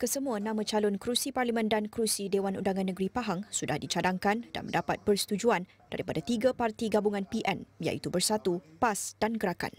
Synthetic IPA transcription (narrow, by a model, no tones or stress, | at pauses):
kəsəmũanãmãt͡ʃalʊnkɾusiparlimə̃ndankɾusidewanṵndaŋãnːəɡɾipaɦaŋsudahdit͡ʃadaŋkanda̰nmə̰ndapat̪̚pərsə̥t̪ud͡ʒuan | d̥a̰ɾipadat̪iɡapart̪iɡabuŋãnpiʔɛnja̰ʔit̪ubərsat̪upasd̥anɡəɾaka̰n